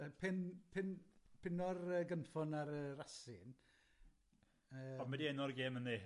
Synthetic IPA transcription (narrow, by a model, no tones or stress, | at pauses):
əpʰɪnpʰɪnpʰɪnɔrəɡənfɔnaɾərasɪn | əːɔmɛdiɛnɔrɡeːmənːe